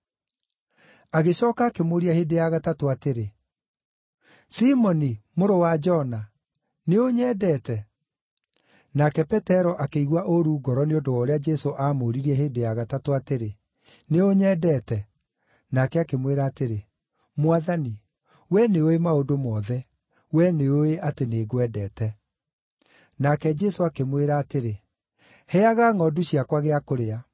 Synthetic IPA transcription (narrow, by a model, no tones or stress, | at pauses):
aɣeɕɔːkaːkemoɾiaheːdejaɣatatoateɾe | simɔnimoɾowad͡ʒɔna | neoɲɛːdɛtɛ | nakɛpɛtɛɾɔʔakeiɣwaʔoɾuːɡɔɾɔneodoɔɾead͡ʒɛsoʔamoːɾiɾiɛɦeːdejaɣatatoateɾe | neoɲɛdɛtɛ | nakɛakemweɾaːteɾe | mwaðani | wɛneoemaodomɔːðɛ | wɛneoeʔateneːɡwɛdɛːtɛ | nakɛd͡ʒɛsoakemweɾaːteɾe | hɛaɣaːŋɔduɕiakwaɣeakoɾea